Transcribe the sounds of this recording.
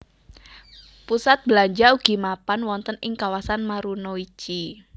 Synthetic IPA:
pusat̪̚bəlaɲd͡ʒauɡ̥i̤mapanwɔnt̪ənɪŋkawasanmaɾunɔit͡ʃi

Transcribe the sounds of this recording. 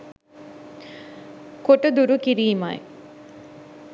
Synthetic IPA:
koʈəd̪uɾukiɾiːma̰j

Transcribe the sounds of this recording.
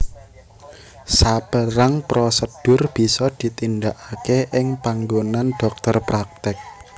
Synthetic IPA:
sapəɾaŋpɾɔsəd̥ʊ̤rb̥i̤sɔd̪̥i̤t̪indaʔakeʔɪŋpaŋɡonanɖ̥ɔ̤k̚t̪ɔrpɾak̚t̪ɪk̚

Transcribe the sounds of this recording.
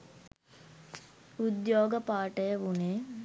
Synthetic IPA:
ud̪joːɡəpaːʈɐjəʋuneː

